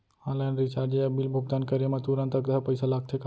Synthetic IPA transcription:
hãlənɖɾit͡ʃaɾd͡ʒeəbilbʱuɡd̪ankəɾjemãt̪uɾə̃nt̪əkd̪əpəɪsalaɡ̚t̪ʰek

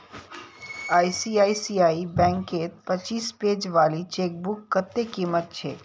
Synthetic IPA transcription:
aːisiaːisiːaːibɛ̃ːŋkeːt̪̚pət͡ʃiːspeːd͡ʒʋaːlit͡ʃeːk̚bʊkːət̪ːekiːmət̪̚t͡ʃʰḛː

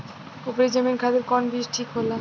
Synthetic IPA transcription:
opɾed͡ʑamenkʰad̪eɾkɔnbiʃʈʰikɦola

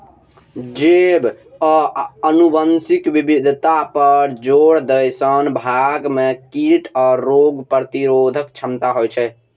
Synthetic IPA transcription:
d͡ʒeb | ənubənsikbibid̪ʱt̪apəɾd͡ʒoɽd̪əjsənbʱaɡmekiʈɔːɾːoɡpɾət̪iɾod̪ʱəkt͡ʃʰəmt̪aɦojt͡ʃʰɛ

